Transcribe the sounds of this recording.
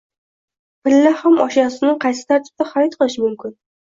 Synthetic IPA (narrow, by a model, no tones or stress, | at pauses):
pɪlːahamɒʃjɒsɪnɪŋqʰɑjsɪ̥t̪ʰaɾt̪ʰɪ̥b̚t̪aχaɾɔt̪̚qʰɨlˠɪʃɪmʊmkʲʰɪn